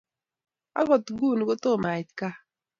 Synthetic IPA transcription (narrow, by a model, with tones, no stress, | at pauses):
a̰˦ɣɔ˨t̪ɡuː˦˨n˨ɡo˦t̪o˦˨ma˨i˨t̪ka˦